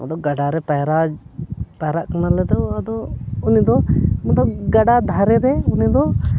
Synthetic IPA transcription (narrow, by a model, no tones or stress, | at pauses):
ɔ̰d̪ɔɡaɖaɾɛpajɾa | paɾaʔkanalɛd̪ɔad̪ɔunid̪ɔmɔd̪ɔɡaɖad̪ʱaɾɛɾɛunid̪ɔ